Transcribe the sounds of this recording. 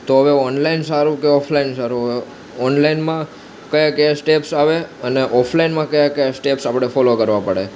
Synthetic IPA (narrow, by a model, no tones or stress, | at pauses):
t̪oɦəʋeɔnlainsaɾũkeɔpʰlainsaɾũɦəʋe | ɔnlainmã | kəjakəjasʈepsaʋeəneʔɔpʰlainmãkəjakəjasʈepsapəɽ̃efɔlokəɾʋãpəɽḛ